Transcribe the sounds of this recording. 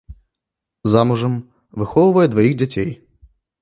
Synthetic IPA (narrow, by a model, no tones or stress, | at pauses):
zamuʐɐm | vɨxɔwvɐjɛd̪vajiɣd͡zʲat͡sʲej